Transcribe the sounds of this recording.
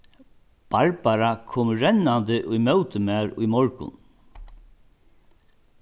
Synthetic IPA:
b̥aɹbaɾakʰoːmɹɛnːand̪ɪʔʊjmœwt̪əmæːɾʊ̰jmɔɹkʊ̰n

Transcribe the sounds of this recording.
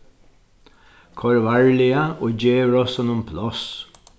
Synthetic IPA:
kʰɔɹʋaɹlɪaoːd͡ʒeːɾɔsɔnʊmpʰlɔs

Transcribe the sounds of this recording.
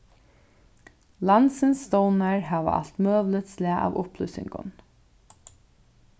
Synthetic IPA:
lant̪sɪnsːt̪ɔwnaɹhæːʋə̰ʔa̰l̥t̪mœːʋlɪt̪slɪaʔa̰ːvʊhplʏːsɪ̰ŋkʊ̰n

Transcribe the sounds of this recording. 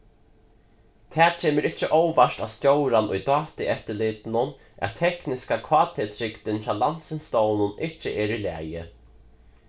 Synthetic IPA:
t̪ʰɛːt͡ʃʰeːmɪɾɪht͡ʃːɪʔowvaʂt̪awst̪jowɾanʊ̰jt̪ɑːt̪ɪʔɛft̪ɪlɪːt̪ɪnʊn | ʔɛ̰ðt̪ʰɛhknɪskakʰvɑːt̪ʰet̪ʰɾɪkt̪ɪnt̪ʰɾaːwlan̥t̪sɪnst̪oːwnʊnɪht͡ɕːɪʔɛːɾilæ̰ːjɪ

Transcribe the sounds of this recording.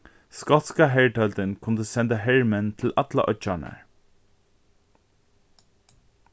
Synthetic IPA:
skɔt̪skaɦɛɹʈʰœlt̪ɪnkʰʊnt̪əsɛnt̪aɦɛɹmɛnt̪ʰɪlat̪la̰ʔœt͡ʃaɳa̰ɹ

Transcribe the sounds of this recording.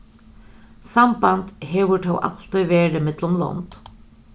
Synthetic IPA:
sambant̪ɦɛːʋʏʈʰɔwʔa̰lt̪ɔjʋɛːɾɪmɪt̪lʊmlɔ̰nt̪

